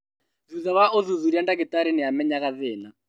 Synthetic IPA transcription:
ðuðaβaʔoðuðuɾiandakɪtaɾɛnɛamɛɲaɣaðɛːna

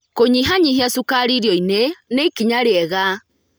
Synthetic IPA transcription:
koɲiɦaɲiɦiasukaɾiɾjɔineneikiɲaɾeɛɣa

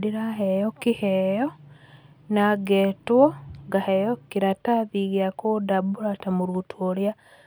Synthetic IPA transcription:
diɾaɦejokihejo | naɡetwoŋɡahejokiɾataðiɣjakodabulatamuɾutʰuolja

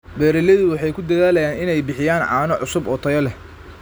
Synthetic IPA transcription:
bɛːɾɪlɐðʊwɑħɑjkʰʊd̪ɐðaːlɐjaːnɪnɛjbɪħɪjaːnʕɑ̰ːnɔʕʊsʊbɔt̪ʰɐjɐlɛ

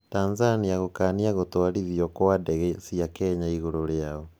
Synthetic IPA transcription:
tanzaniaɣokaːniaɣotoaɾiðiɔkoadɛɣɛsiakɛɲaiɣoɾoɾeaɔ

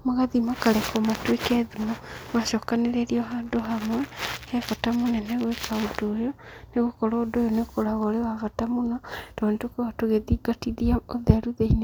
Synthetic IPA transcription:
moɣaðimakalekomatwekeðumomwaʃokaneɾeɾioɦadoɦamwehefotamuneneɣwekaodojoneɣokoɾodojonekoɾaɣolewavatamunatoonetwokewatoɣeðiɡatiðiaoðeɾuðeine

